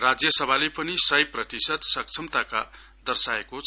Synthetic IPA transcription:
rad͡zjʌsʌbʱalepʌnisʌjprʌt̪isʌd̪sʌk̚t͡sʰʌmt̪aka̰ | d̪ʌrsaekot͡sʰ

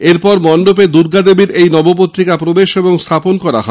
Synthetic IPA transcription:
eɾpɔɾmɔnɖoped̪uɾɡad̪ebiɾejnɔbopot̪ːɾikapɾobeʃeboŋst̪ʰaponkɔɾa̰ɦɔ

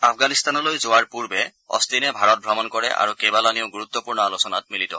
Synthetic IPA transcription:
apʰɡanist̪anɔlojzowaɹpuɹbɛ | ɔ̰st̪inɛbʱaɹɔt̚bʱɹɔmɔnkɔɹɛ̰ʔa̰ɹukebalanioɡuɹut̪ːɔpuɹnɔalusɔnat̚militɔ̰

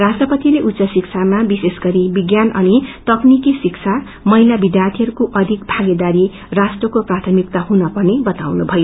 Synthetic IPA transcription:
rasʈrʌpʌt̪ileʔut̪ːsʌsikt͡sʰamabisesɡʌɾibiɡjanʌnit̪ʌknikisikt͡sʰa | mʌɦilabid̪jart̪ʰijʌɾukoʔʌd̪ʱikbʱaɡed̪aɾi | rasʈrʌkoprat̪ʰʌmik̚t̪aɦunʌpʌrnebʌt̪awnubʱʌjo

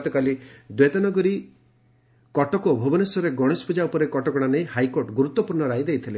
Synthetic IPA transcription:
t̪ɔkalid̪wet̪anɔɡɔɾi | kɔʈɔkɔbʱobɔnesɔɾeɡɔɽ̃espʰud͡ʒaupɔɾekɔʈɔkɔɽ̃anejhajkoɾʈɡuɾut̪ːɔpuɾɳɔɾajd̪ejt̪ʰile

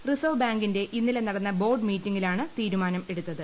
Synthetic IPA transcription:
risoʋbaːŋɡinde̞ʔinːilenɐɽɐnːɐbo̞ːrɖmiːtːiŋːilaːɳɨt̪iːɾumaːnɐme̞ɽut̪ːɐðɨ

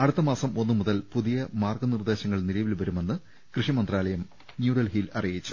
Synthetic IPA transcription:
ɐɽut̪ːɐmaːsɐmo̞nːɨmuðɐlpuðijɐmaːrɡɐnird̪e̞ːɕɐŋːɐɭnilɐjʋilʋɐɾume̞nːɨ | krɨʂimɐnd̪raːlɐjɐm | njuːɽɐlɦilɐ̰rijit͡ɕːu̥

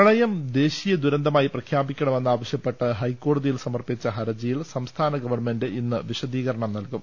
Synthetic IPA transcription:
ɐɭɐjɐmd̪e̞ːɕijɐd̪uɾɐnd̪ʱɐmaːjiprɐkʰjaːbikʲːɐɳɐme̞nːaːʋɐɕjɐpːe̞ʈːɨɦɐjkːo̞ːɽɐðijilsɐmɐrpit͡ɕːɐɦɐɾɐd͡ʑɐjilsɐmst̪ʰaːnɐɡɐʋɐrme̞ndɨʔinːɨʋiɕɐd̪iːɣɐɾɐɳɐmnɐlkum

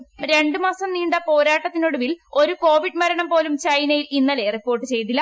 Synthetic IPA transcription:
ɾe̞ɳɖɨmaːsɐmniːɳɖɐpo̞ːɾaːʈːɐt̪ːinoɽuʋilo̞ɾuko̞ːʋiɖɨmɐɾɐɳɐmpo̞ːlumt͡ɕɐjnɐjilinːɐleripːoːrʈːɨt͡ɕe̞jt̪ilːɐ

